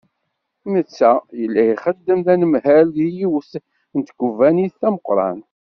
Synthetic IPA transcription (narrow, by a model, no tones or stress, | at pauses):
mət͡sːæjəlːæiχəd̪ːəmðænəmhælijiwəθ | nt̪ɡʷuvæniθːæməqɾˤɑ̰n